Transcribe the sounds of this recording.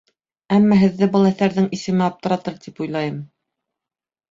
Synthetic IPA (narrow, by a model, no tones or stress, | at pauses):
æmːɑɦɘ̆ðːɘbɤlˠæθæɾðɘŋisɘ̆mɘɑp̚t̪ɤ̆ɾɑt̪ɤɾt̪ipujlˠɑjɤm